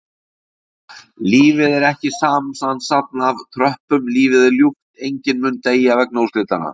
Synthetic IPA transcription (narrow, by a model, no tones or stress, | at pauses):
liːvɪðɛɾɛhcɪsaːmsansat̪̚navt̪ʰɾœhpʏmliːvɪðɪljuht̪ejɲcɪnmʏnt̪eːjavɛk̚nowst̪lɪt̪ana̰